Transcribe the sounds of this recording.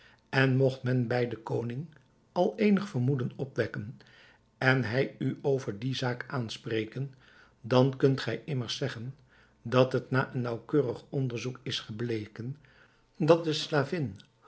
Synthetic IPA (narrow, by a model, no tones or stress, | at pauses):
ɛnmɔχtmɛnbɛjdəkownɪŋ | ɑlˠejnəχfəɹmudənɔpʋɛkən | ɛnɦɛjyowvəɹdizaːkʔaːnsprejkən | dɑnkɵntχɛjʔɪməɹsɛχən | dɑtɦətnaːʔənːɑwkøːrəχɔndəɹzukɪsχəblejkən | dɑt̚dəslaːvɪn